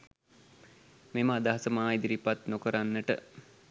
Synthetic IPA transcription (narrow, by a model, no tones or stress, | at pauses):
meməad̪aɦasəmaːid̪iɾipat̪nokəɾanːəʈə̰